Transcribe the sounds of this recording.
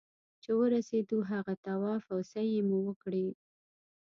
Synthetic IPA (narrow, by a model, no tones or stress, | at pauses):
t͡ʃewəɾased̪uɦaɣat̪awɑfawsajemuwəkɽi